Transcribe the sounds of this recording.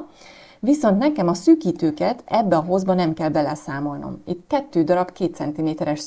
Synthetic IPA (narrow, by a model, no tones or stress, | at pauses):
ʋiso̞nt̪nɛkɛmɒsyːkiːt̪øːkɛt̪ɛbːɛɒɦo̞zbɒnɛmkɛlbɛlɛsaːmo̞lno̰mit̪kɛt̪ːøːd̪ɒɾɒbkeːt̪sɛnt̪imeːt̪ɛɾɛʃ